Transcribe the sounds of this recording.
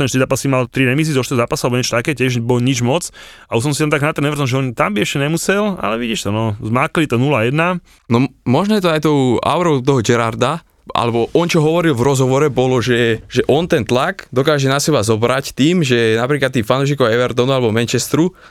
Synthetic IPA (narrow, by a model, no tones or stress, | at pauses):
t̪ɛnʃt̪izaːpasimalt̪ɾiɾɛmis̬iːzɔʃt̪izaːpasualɛbɔɲɛt͡ʃɔ̥t̪akɛːcɪɛʒbɔɲid͡ʒmɔt͡sausɔmsiaɛnt̪aɡnat̪ɛnɛʋɛɾt̪ɔnʒɛɔnt̪ambiɛʃcɛɲɛmusɛla̰lɛʋiɟiʃt̪ɔnɔzmaːklit̪ɔnulajɛd̪na | nɔmɔʒnɔjɛt̪ɔajt̪ɔʊa̰ʊɾɔʊt̪ɔɦɔd͡ʒɛɾaɾd̪a | ʔa̰lɛbɔʔɔnt͡ʃɔɦɔʋɔɾilvɾɔzɦɔʋɔɾɛbɔlɔʒɛʒɛʔɔnt̪ɛnt̪laɡd̪ɔkaːʒɛnasɛbazɔbɾact̪iːmʒɛnapɾiklat̪ːiːmfanɔʊʃ̬ikɔɛʋɛɾt̪ɔnualɛbɔmɛnt͡ʃɛst̪ɾu